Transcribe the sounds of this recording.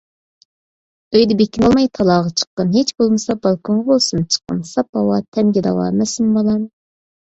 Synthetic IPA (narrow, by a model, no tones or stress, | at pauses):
øjd̪ɛbekʲinɑlˠmɑjt̪ʰɑlˠɑːʁɑt͡ʃʰə̥qːənɦet͡ʃbolˠmɨsɑbɑlˠkʰonʁɑbolˠsunt͡ʃʰə̥qːə̰nsɑp̚bɑwɑt̪ʰɛmɡʲɛd̪ɑ̰wɑ̰ːmɛsɪmbɑlˠɑm